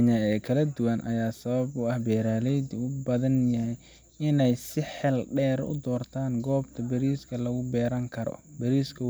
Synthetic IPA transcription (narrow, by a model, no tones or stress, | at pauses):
ɲaːɛːkʰɐlɐd̪ʊwɐnʔɐ̰jaːsɐβɐbʊɐhbɛːɾaːlɛjd̪ʊbɐðɐnjɐɦɛj | ɪnɛjsɪħɛlɖɛːɾʊ̰d̪ɔːrt̪ʰaːŋɡɔːbt̪ʰɐbɐɾiːskʰɐlɐɣʊbɛːɾɐŋkʰɐɾɔ̰bɐɾiːskʰɐ